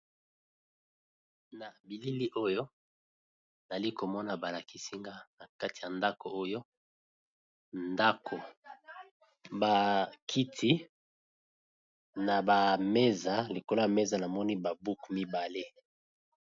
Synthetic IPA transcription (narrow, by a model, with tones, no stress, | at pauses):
na˨bi˨li˦li˦ʔo˦jo˦˨ | za˨li˦ko˨mɔ˦na˨ba˨la˨ki˦si˦ŋɡa˦na˨ka˦ti˨ja˨nda˦ko˨o˦jo˦ | nda˦kʰo˨ | ba˨kʰi˦tʰi˦ | na˨ba˨me˦za˨li˨ko˨la˦a˨me˦za˨na˨mɔ˦ni˦ba˨bu˦kmi˦ba˨le˦